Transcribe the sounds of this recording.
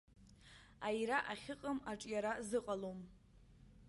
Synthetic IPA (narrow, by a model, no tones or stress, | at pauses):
ajɾaʔaχʲɪqʼamaʈ͡ʂʼjaɾazɨqʼalom